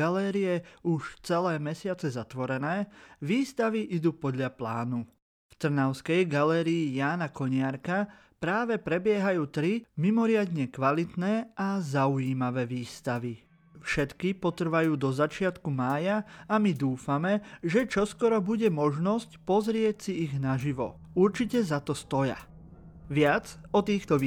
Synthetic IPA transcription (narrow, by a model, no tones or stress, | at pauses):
alɛːɾiɛuʃt͡sɛlɛːmɛsɪat͡sɛzat̪ʋɔɾɛnɛːʋiːst̪aʋiʔid̪uːpɔd̪ʎaplaːnu | ft̪r̩naʊskɛjɡalɛːɾiːjaːnakɔɲɪaɾka | pɾaːʋɛpɾɛbɪɛɦajuːt̪ɾimimɔɾɪad̪ɲɛkʋalit̪nɛːazaujiːmaʋɛːʋiːst̪aʋi | fʃɛt̪kipɔt̪r̩ʋajuːd̪ɔzat͡ʃɪat̪kumaːjaamid̪uːfamɛʒɛt͡ʃɔskɔɾɔbuɟɛmɔʒnɔscpɔzɾɪɛcsiiɣnaʒiʋɔ̰ | uɾt͡ʃicɛzat̪ɔst̪ɔja̰ | ʋɪad͡zɔt̪iːxt̪ɔ